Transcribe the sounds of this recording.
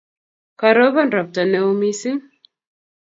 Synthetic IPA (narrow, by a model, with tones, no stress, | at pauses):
ka˨ɾo˦βa˦nda˨p̚ta˨nɛ˨u˦mi˦si˦ŋ